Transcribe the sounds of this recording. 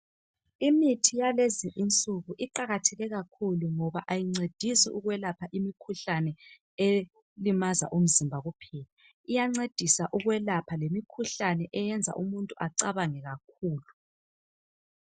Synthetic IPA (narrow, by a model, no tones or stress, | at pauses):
imitʰijaleziʔint͡sʼuɣuʔiǃaɣatʰɛɣɛɣakʰuluŋɔβaʔajiŋ͡ǀed̥ʱisiʔuɣwɛlapʰaʔimikʰuɬanɛ | e | limaza̰ʔum̩zimbʱaɣupʰɛla | ijaŋ͡ǀed̥ʱisaʔuɣwɛlapʰalemikʰuɬanɛʔɛjɛnd͡zʱa̰ʔumuntʼuʔaǀaβaŋɛɣak̚ʰuːlu